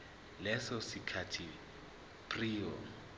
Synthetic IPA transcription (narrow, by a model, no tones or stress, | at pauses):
lɛsɔsikʰatʰi | pʰʼriːɔ